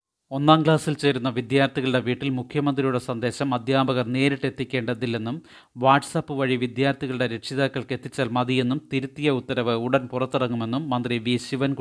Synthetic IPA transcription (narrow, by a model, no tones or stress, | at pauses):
o̞nːaːmɡɭaːsilt͡ɕe̞ːɾunːɐʋid̪jaːɾt̪ʰiɣɐɭɨɽe̞ʋiːʈːilmukʰjɐmɐnd̪rijuɽe̞sɐnd̪e̞ːɕɐmɐd̪ʱjaːbɐɣɐrne̞ːɾiʈːe̞t̪ːikʲːe̞ːɳɖɐðilːenːum | ʋaːʈsɐpːɨʋɐɻiʋid̪jaːɾt̪ʰiɣɐɭɨɽe̞ɾe̞ʈʂiðaːkːɐɭke̞t̪ːit͡ɕːaːlmɐðije̞nːumt̪iɾut̪ːijɐut̪ːɐɾɐʋɨuɽɐnpurɐt̪ːirɐŋːume̞nːumːɐnd̪riʋiɕiʋɐnk